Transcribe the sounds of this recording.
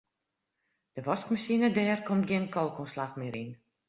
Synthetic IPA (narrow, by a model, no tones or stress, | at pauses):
d̥əʋɔskmasinədɛːrkomtɡiənkʰɔlˠkonslaxmɪɾin